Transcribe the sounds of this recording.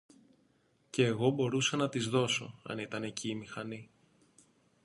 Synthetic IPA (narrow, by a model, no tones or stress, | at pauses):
ce̞ːɣo̞bo̞ɾusɐnɐt̪izðo̞so̞̰ɐ̰nit̪ɐne̞ciːmixɐni